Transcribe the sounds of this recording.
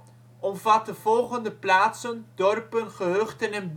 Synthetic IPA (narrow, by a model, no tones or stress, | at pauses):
ʔɔmvɑt̚dəvɔlˠχəndəplaːtsəndɔrpənχəɦøχtənɛnb